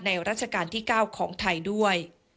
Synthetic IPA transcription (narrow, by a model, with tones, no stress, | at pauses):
na˧jɾaː˥˩t̪̚t͡ɕʰa˧kaː˧nt̪ʰiː˥˩kaː˥˩wkʰɔː˩˦ŋt̪ʰa˧jdu˥˩əj